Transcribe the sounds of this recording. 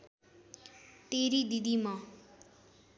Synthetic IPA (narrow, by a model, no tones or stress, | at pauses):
t̪eɾid̪id̪imʌ